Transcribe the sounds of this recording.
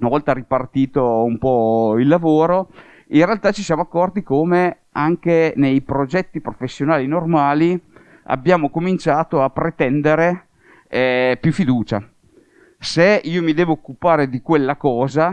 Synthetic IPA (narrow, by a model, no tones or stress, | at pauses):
unavɔlt̪aɾipart̪iːt̪oumpɔilːavoːɾo | inrealt̪at͡ʃisjaːmoakːɔrt̪ikoːme | aŋkenejpɾod͡ʒɛt̪ːipɾofesːjonaːlinormaːli | a̰bːjaːmokomint͡ʃaːt̪oapːɾet̪ɛnd̪eɾe | pjufːid̪uːt͡ʃa | seiːomid̪ɛːvoːkːupaːɾed̪ikwelːakɔːza